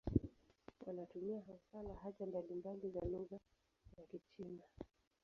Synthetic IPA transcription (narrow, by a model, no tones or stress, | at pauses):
wanatumiaɦasalaɦat͡ʃambalimbalizaluɣa | zakit͡ʃina